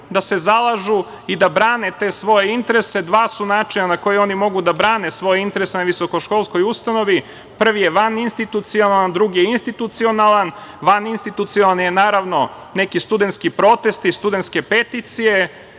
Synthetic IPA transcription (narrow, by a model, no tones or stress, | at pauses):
d̪ase̞zalˠaʒu | id̪abɾaːnet̪e̞ːsʋo̞jeint̪eɾese̞d̪ʋaːsunaːt͡ʃinanako̞jeo̞nimo̞ɡud̪abɾaːnesʋo̞jeint̪eɾesenaʋiso̞ko̞ʃko̞lˠsko̞just̪ano̞ʋi | pr̩ʋijeʋaninst̪it̪ut̪sionaland̪ɾuɡijeinst̪it̪ut̪sio̞nalˠanʋaninst̪it̪ut̪siolanjenaːɾaʋno̞ | nekist̪ud̪e̞nt̪skipɾo̞t̪e̞st̪ist̪ud̪ent̪ske̞pe̞t̪it̪sije̞